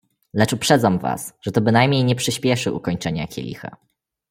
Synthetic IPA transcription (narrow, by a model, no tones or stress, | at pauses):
lɛt͡ʂupʂɛd̪zamva̰sʐ̥ɛt̪ɔbɘnajmʲɲejɲɛpʂɘɕpʲjɛʂɘʔukɔɲt͡ʂɛɲa̰kʲɛ̰lʲḭxa̰